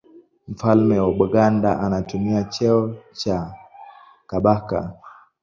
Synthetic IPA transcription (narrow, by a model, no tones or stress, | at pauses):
m̩falmɛwaɓaɡandaʔanatumiat͡ʃɛɔt͡ʃa | kaɓaka̰